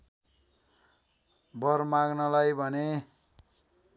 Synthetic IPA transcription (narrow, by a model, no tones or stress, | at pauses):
bʌrmaɡnʌlajbʱʌne